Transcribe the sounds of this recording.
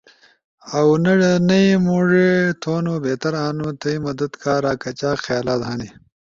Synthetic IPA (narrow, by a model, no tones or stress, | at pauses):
ɐwnɐɻɐnɐimoːʐet̪ʰoːnoːbeːt̪ɐɾaːnut̪ɐimɐd̪ɐd̪kaːɾaːkɐt͡ɕaːxjaːlaːd̪ɦaːni